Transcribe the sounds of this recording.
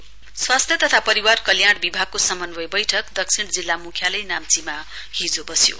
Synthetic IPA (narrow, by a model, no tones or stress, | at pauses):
swast̪ʰjʌt̪ʌt̪ʰapʌɾiwarkʌljaɽbibʱaɡ̚kːosʌmʌnbʌjbʌjʈʰʌkd̪ʌksʰiɽd͡zilːamukʰjalʌjnamt͡sima | hid͡zobʌsjo̰